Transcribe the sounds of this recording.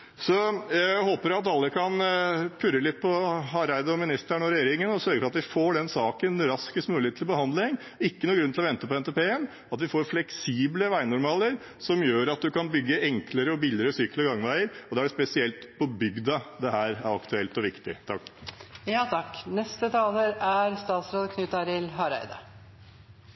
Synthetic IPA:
sɔjæhoːpəɾɑt̪ɑlːəkʰɑnpʰʉɾəlɪt̪̚pʰɔhɑɾæɪd̪əɔmɪnɪst̪əɳɔɾɛjeːɾɪŋənɔsœɾɡəfɔɑt̪ʋɪfoːɖɛnsɑːkənɾɑskəst̪mʉːɪet̪ʰːlbəhɑnd̪lɪŋ | ɪkːənuːɡɾʉnt̪ɪlɔʋɛnt̪əpɔɛnt̪eːpeːən | ɑt̪ʋɪfoːɾflɛksiːbləʋæɪnʊɾmɑːləɾ | sɔmjøːɾɑt̪̚d̪ʉkɑnbʏɡːəʔɛŋkləɾəɔbɪlɪəɾəsyːklɔɡɑŋʋæɪəɾɔd̪ɛæɖɛspɛsɪɛlt̪pʰɔbʏɡd̪ɑd̪ɛhæːɾæɾɑkt̪ʉɛlt̪ɔʋɪkt̪ɪ̰t̪ʰɑkːjɑːt̪ʰɑkːnɛst̪ət̪ʰɑːləɾæɾst̪ɑːt̪sɾoːd̪kʰnʉt̪ɑɾɪlɦɑɾæ̰ɪd̪ə

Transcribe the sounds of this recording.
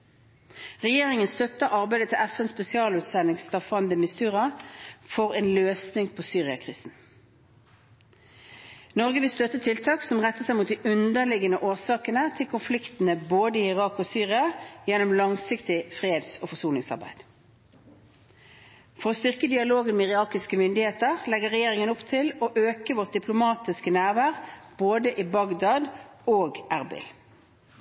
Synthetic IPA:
ʁɛjeːʁɪŋənst̪œt̪ːəɑʁbæɪd̪ət̪ʰɪlæfɛnspɛsɪɑːlʉːt̪sɛnɪŋst̪ɑfɑnd̪əmɪst̪ʉːʁɑfɔʁeːnløːsnɪŋpʰoːsyːʁɪɑkʰʁiːsn̩ | nɔʁɡəʋɪlst̪œt̪ːət̪ʰɪlt̪ʰɑːksɔmʁɛt̪ːəsæɪmuːt̪̚d̪iʔʉnd̪əʁlɪɡənəʔoːʁsɑːkənət̪ʰɪlkʰʊnflɪkt̪n̩əboːd̪əiːɪʁɑːkoːsyːʁɪɑjɛnʊmlɑŋsɪkt̪ɪfʁeːd̪soːfɔsuːnɪŋsɑ̰ʁbæ̰ɪd̪ | fɔʁoːst̪ʏʁkəd̪ɪɑloːɡənmɛɪʁɪɑːkɪskəmʏnd̪ɪheːt̪əʁlɛɡəʁɛjeːʁɪŋənʊpt̪ʰɪloːʔøːkəʋɔt̪̚d̪ɪpʰlʊmɑːt̪ɪskənæːʁʋæːʁb̥oːd̪əʔiːbɑɡd̪ɑːd̪oːɡʔæʁbɪ̰l

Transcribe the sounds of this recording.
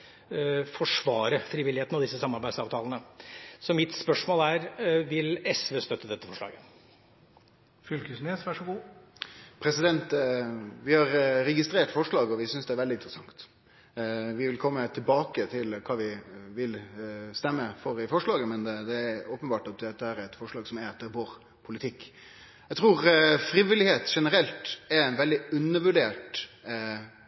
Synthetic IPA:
fɔʂʋɑːɾəfɾiːʋɪlːɪeːt̪nɔd̪ɪsːəsɑmɑɾbæɪd̪sɑːʋt̪ʰɑːlənəsɔmɪt̪spœʂmoːlæɾʋɪlɛsʋeːst̪œt̪ːəd̪ɛt̪ːəfɔʂɭɑ̰ːɡə | fʏlkəsmeːsʋæʂɔɡuː | pʰɾɛsɪd̪ɛnt̪ | ʋɪhɑɾɾɛɡɪst̪ɾeːʈfɔʂɭɑːɡɔʋɪsʏnsd̪ɛæɾʋɛld̪ɪnt̪ɾəsɑŋt̪ | ʋɪʋɪlkʰɔmːət̪ʰɪlbɑːkət̪ʰɪlkʰɑːʋɪʋɪlst̪ɛmːəfɔɾɪfɔʂɭɑːɡəmɛnd̪d̪ɛːɾoːpənbɑːʈɑt̪̚d̪ɛt̪ːəhæːɾæɾɛt̪fɔʂɭɑːɡsɔmæɾɑt̪̚d̪ɛʋoːɾ | pʰʊlɪt̪ʰɪkː | æt̪ʰɾuːɾfɾiːʋɪlɪheːt̪ʂɛnəɾɛlt̪ɛɾæɪnʋɛld̪ɪʉnːəʋʉɖeːʈ

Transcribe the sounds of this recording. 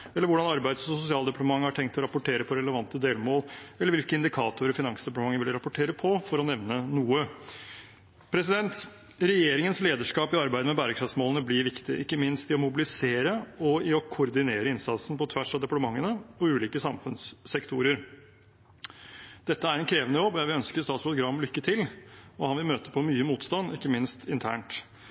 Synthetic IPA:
ɛlːəɾʋʊɖɑnɑɾbæɪd̪sɔsʊsɪɑːld̪ɛpɑʈt̪əmɑŋːəhɑʈʰɛŋk̚t̪ʰɔɾɑpʊʈʰeːɾəpʰɔɾɛləʋɑnt̪əd̪eːlmoːlɛlːəɾʋɪlkəɪnd̪ɪkʰɑːt̪ʊɾɔfɪnɑŋsd̪ɛpɑʈ̪əmɑŋːəʋɪlɾɑpʊʈʰeːɾəpʰɔfɔɾɔnɛʋnənuːə | pʰɾɛsɪd̪ɛnt̪ | ɾɛjeːɾɪŋənsleːd̪əʂkɑːpɪɑɾbæɪd̪əmɛbæːɾəkʰɾɑfsmoːlənəblɪɾʋɪkt̪ɪɪkːəmɪnst̪ɪɔmʊbɪlɪseːɾəɔɪɔkʰʊɾd̪ɪneːɾəɪnsɑt̪sn̩pɔt̪ʰʋæʂɑʋd̪ɛpɑʈ̪əmɑŋːənəɔʉːliːkəsɑmfʉnsːɛkt̪ʰuːɾəɾ | d̪̥ɛt̪ːəæɾɛnkʰɾeːʋənəjɔb̪ːæʋɪœnskəɾst̪ɑːt̪spɾʊɡɾɑmːlʏkːət̪ʰɪlɔhɑnʋɪlmøːt̪əpʰɔmyːəmuːt̪st̪ɑnːɪkːəmɪnst̪ʰɪnt̪ʰæːɳʈ

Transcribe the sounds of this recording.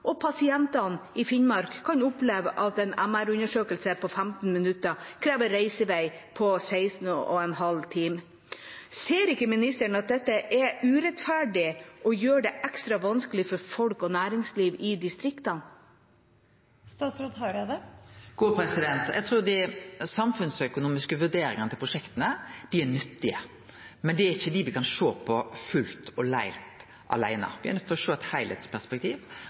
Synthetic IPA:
ʔɔpʰɑsɪɛnt̪ɑnɪfɪnmɑɾkʰːɑnʊpleːʋəʔɑt̪ɛnæmæɾʉnəʂøːkəlsəpʰɔfæmt̪n̩mɪnʉt̪ːəkʰɾeːʋəɾːeɪsəʋeɪpʰɔseɪsn̩ɔ̰ɛnhɑlt̪ʰiːm | seːɾɪkːəmɪnɪst̪əɳɑt̪̚d̪ɛt̪ːəʔɛʉːɾɛt̪fæɖɪʔɔjøːɖɛʔækst̪ɾɑʋɑnsklɪfɔɾfɔlkɔnæːɾɪŋsliːʋɪd̪ɪst̪ɾɪkt̪ɑn | st̪ɑːsɾɔt̪ɦɑɾd̪əɡ̥uːpʰɾɛsɪd̪ɛnt̪jʔæ̰ɪt̪ʰɾuːd̪ɛsɑmfʉnsœkʊnuːmɪskəʋʉɖeːɾɪŋənət̪ɪlpɾʊʂɛkt̪ənəd̪̥ɪæɳʏt̪ːɪə | mɛnd̪ɛæɾɪçːəd̪ɪʋɪkɑnʂoːpʰɔfʉlt̪ɔlæ̰ɪlt̪ | ʔɑ̰læɪnə̰ʋɪæ̰ɾnœt̪ːpʰɛlɔʂoːɛt̪hæɪlʔɛ̰t̪spʰæspɛkt̪ʰiːʋ

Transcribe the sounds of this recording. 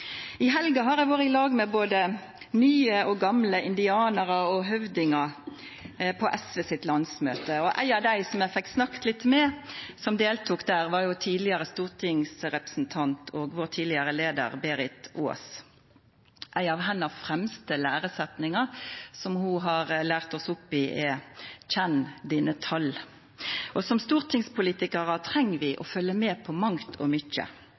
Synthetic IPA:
ɪɦɛlɡɑɦɑɾæɪʋoːʁɪlɑːɡmɛboːd̪ə | nyːəɔɡɑmləʔɪnd̪ɪɑːnəʁəɔɦœʋd̪ɪŋɑ | pʰɔʔɛsʋɛsɪt̪lɑnsmøːt̪əɔʔæ̰ɪɑʋd̪æɪsɔmjæɪfɛkt̪snɑkt̪lɪt̪mɛsɔmd̪eːlt̪ʰʊːkd̪æːʁʋɑʁjʊt̪ʰiːd̪lɪəʁəst̪uːʁt̪ʰɪŋsʁɛpʁə̥sn̩t̪ʰɑnt̪ʰɔɡʋoːʁt̪ʰiːd̪lɪəʁəleːd̪ə̰ʁbeːʁɪt̪o̰ːs | ʔæɪɑʋɦɛnːəfɾɛmst̪əlæːʁəsɛt̪nɪŋɑsɔmhʊɦɑʁlæːʁt̪ɔsʊpːɪʔɛçɛnd̪iːnət̪ʰɑl | ʔɔsɔmst̪uːʁt̪ʰɪŋspʰʊliːt̪ɪkəɾɑt̪ʰɾɛŋːʋɪʔɔfœlːəmeːpʰɔmɑŋt̪ʰɔ̰mʏçə̰

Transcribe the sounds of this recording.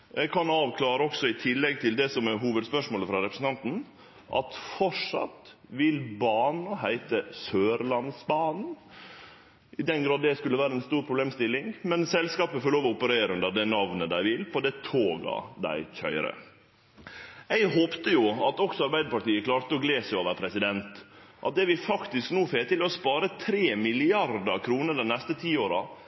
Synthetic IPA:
ɛkʰɑnɑːʋkʰlɑːɾəɔksɔɪt̪ʰɪlːɛɡ̚t̪ʰɪld̪ɛsɔmɛɦuːʋəd̪spœʂmoːləfɾɑɾɛpɾsn̩t̪ɑnt̪n̩ | ʔɑ̰t̪fɔʂɑ̰t̪ | ʋɪlbɑːnɑɦæɪt̪əsøːɾlɑnsbɑːnn̩ | ʔɪd̪ɛnɡɾɑːd̪ːɛskʉlːəʋæːɾəɛnst̪uːɾpʰɾʊbleːmst̪ɪlːɪŋmɛnsɛlskɑːpəfoːloːʋɔʊpəɾeːɾəʉnd̪əɾd̪ɛnɑʋnəd̪æɪʋɪlpʰɔd̪ɛt̪ʰoːɡɑ̰d̪æ̰ɪçœ̰ʏɾə̰ | æɪɦoːpt̪əjʊɑt̪ɔksɔɑɾbæɪd̪əpɑʈ̪iːəkʰlɑːɾt̪əɔɡleːsɛoːʋəɾpʰɾɛsɪd̪ɛnt̪ | ʔɑ̰t̪̚d̪ɛʋɪfɑkt̪ɪsknuːfeːt̪ʰɪlɛɔspɑːɾət̪ʰɾeːmɪlɪɑɾd̪ɑɾkʰɾuːnəɾɖ̪ɛnnɛst̪ət̪ʰiːoːɾɑ

